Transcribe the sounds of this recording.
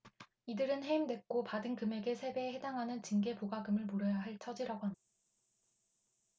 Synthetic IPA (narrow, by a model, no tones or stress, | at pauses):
idɯɾɯnɦe̞imdwe̞k͈opadɯnkɯme̞ɡe̞sʰe̞be̞he̞daŋɦanɯnt͡ɕiŋɡe̞poɡaɡɯmɯɭmoɾʌjaɦaɭt͡ɕʰʌd͡ʑiɾaɡoɦana